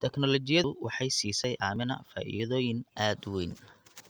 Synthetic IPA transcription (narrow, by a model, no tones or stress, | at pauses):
t̪ʰɛknɔlɔt͡ʃɪjɐʊwɑħɑjsiːsɛjʔʕɑ̰ːmɪnɐ̰fa̰ʔḭjðɔːjɪnʔaːd̪wɛjn